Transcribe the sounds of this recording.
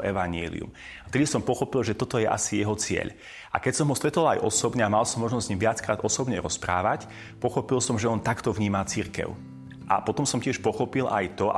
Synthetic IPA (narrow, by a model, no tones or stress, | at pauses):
ʔɛʋaɲɪɛ̰ːlḭṵm | aft̪ɛd̪isɔmpɔxɔpilʒɛt̪ɔt̪ɔjɛʔa̰sijɛɦɔt͡sɪɛ̰ʎ | ʔa̰kɛcsɔmɦɔst̪ɾɛt̪ɔlajʔɔ̰sɔbɲɛamalsɔmːɔʒnɔzzɲimʋɪat͡skɾaːd̪ɔsɔbɲɛɾɔspɾa̰ːʋac | pɔxɔpilsɔmʒɛɔnt̪akt̪ɔʋɲiːmat͡siɾkɛ̰ʊ | ʔa̰pɔt̪ɔmsɔmcɪɛʃpɔxɔpilʔa̰jt̪ɔa̰